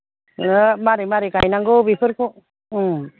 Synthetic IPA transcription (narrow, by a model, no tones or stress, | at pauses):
maɾimaɾekajnaŋɡobipʰɯɾko